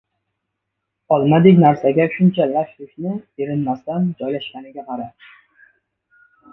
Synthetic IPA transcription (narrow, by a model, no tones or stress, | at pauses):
ɒlˠmad̪ɪkʲnaɾsaɡʲaʃʊnt͡ʃʰalaʃlɪkʲnɪeɾɪnmast̪and͡ʒɒjlaʃkʲanɪɡʲaqʰɑɾa